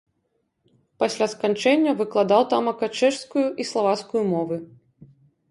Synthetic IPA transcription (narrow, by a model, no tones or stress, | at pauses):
pasʲlʲaskant͡ʂɛnʲːɐvɨklˠad̪awt̪amɐkat͡ʂɛʂskujuʔislˠavat̪skujumɔvɨ